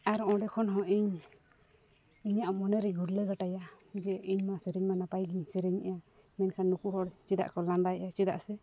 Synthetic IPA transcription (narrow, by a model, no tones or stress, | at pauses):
aɾɔ̃ɖɛkʰɔnɦɔ̃ʔiɲ | iɲaʔɔmɔnɛɾɛɡʱuɾləɡaʈaja | d͡ʒɛiɲmasɛɾɛɲmanapajɡiɲsɛɾɛɲaja | mɛnkʰanːukuɦɔɽt͡ʃid̪a̰ʔkɔland̪ajʔat͡ʃid̪a̰ʔsɛ